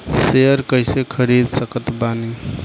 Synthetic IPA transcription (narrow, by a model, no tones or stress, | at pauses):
seəɾkəjsekʰəɾid̪səkət̪bani